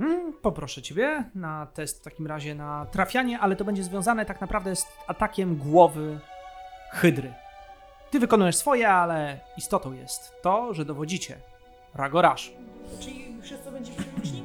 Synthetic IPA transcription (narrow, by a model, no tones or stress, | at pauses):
pɔpɾɔʂɛt͡ɕebʲjɛnat̪ɛst̪ft̪akʲimɾaʑɛnat̪ɾafʲjaɲɛʔalɛt̪ɔbɛɲd͡ʑɛzvʲjɔ̃zanɛt̪aknapɾavd̪ɛsat̪akʲɛmɡwɔvɘ | xɘd̪ɾɘ | t̪ɘvɘkɔnujɛʂsfɔjɛalɛist̪ɔt̪ɔ̃w̃jɛ̰st̪ːɔʐɛd̪ɔvɔd͡ʑit͡ɕɛ̰ | ɾaɡɔɾaʂt͡ʂɨlʲifʂɨst̪̚kɔbɛɲd͡ʑɛp